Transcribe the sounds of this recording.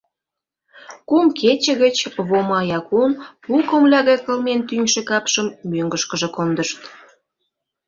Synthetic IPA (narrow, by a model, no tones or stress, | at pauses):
kumket͡ɕə̆ɣət͡ɕβomɑjɑkunpukəmlʲɑɣɑjkə̆lment̪ynʲʃekɑpʃəmːøŋɡəʃkəʒĕkond̪əʃt̪